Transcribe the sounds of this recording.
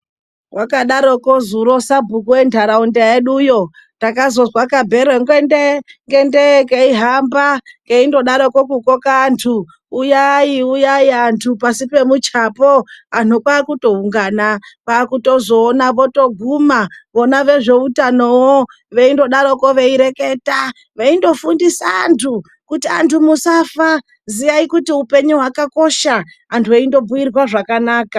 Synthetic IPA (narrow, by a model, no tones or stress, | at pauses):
wʔakaɗaɾokozuɾo̞sabʱukuwendʰʱaɾaundejeɗujo̞ | takazo̞zwakabʱeɾeŋɡendeŋɡendekeiɦambakeindo̞ɗaɾokokukokaːntʰuː | jaiujaiantʰupasipe̞mut͡ʃapoan̤ukaːkuto̞uŋɡanapakuto̞zo̞ːnaʋo̞to̞ɡʱumaʋo̞naʋe̞ʐe̞utanowo | ʋe̞indo̞ɗaɾokoʋe̞iɾe̞ke̞ta | ʋeindo̞fundisaa̰ntʰu | kutia̰ntʰumusafa | zijaikutiupe̞ɲuɦwakako̞ʃa | antʰueindo̞buirwaʐakanaːka